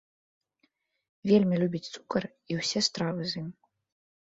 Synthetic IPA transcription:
vʲelʲmʲilʲubʲit͡sʲt̪su̥kɐr | iwsʲɛst̪ɾavɨzɨmʲ

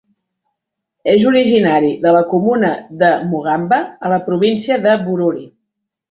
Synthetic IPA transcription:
ezuɾiʒinaɾiðələkumunəðəmuɣ̞ambəːləpɾuβinsiəðəβuɾuɾi

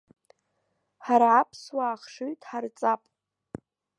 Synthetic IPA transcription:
ħaɾaapʰswaːχʂujtʼħart͡sʼapʼ

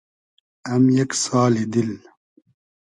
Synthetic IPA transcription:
ɐmjɐksaːlid̪il

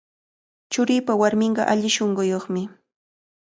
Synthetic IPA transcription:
t͡ʃʊɾiːpawaɾmɪɴɢɑ̰ʔaʎɪʃoɴɢʊjoχmɪ

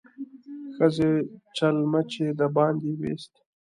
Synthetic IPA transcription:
xəzet͡ʃalmat͡ʃed̪abɑːnd̪iwḛːst̪

